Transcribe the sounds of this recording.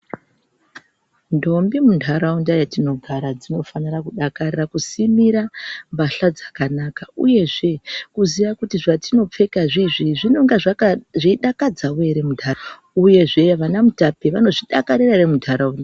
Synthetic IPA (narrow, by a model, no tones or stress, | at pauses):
ndo̞mbimundʱaɾaundajatino̞ɡʱaɾad͡zino̞fanirakuɗakarirakusimiɾambaɬad͡zḁkanakaṵje̞ʐe̞kuziʋakutiʐatino̞p͡fe̞kaʐiʐiʐino̞ŋɡaʐʐiɗakad͡zaweɾemudʱa | uje̞ʐe̞ʋanamutapeʋano̞ʐiɗakaɾiraremudʱaɾaunda